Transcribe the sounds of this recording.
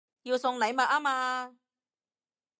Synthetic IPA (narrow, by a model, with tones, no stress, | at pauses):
jiː˧wsʊ˧ŋle˨˥jma˨˧˩ʔaː˦˥maː˧